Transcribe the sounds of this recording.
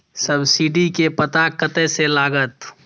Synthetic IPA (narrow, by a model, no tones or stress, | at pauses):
səbsiɖikepət̪akət̪ɛselaːɡət̪